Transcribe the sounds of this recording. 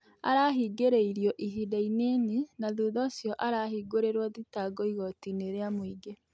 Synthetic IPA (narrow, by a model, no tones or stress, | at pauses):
a̰ɾaːɦiɡeɾeiɾjɔʔiɦidaineninaðuðɔsjɔʔaɾaɦiɡoɾeɾwaðitaɡɔiɣɔtineɾeamwiɡe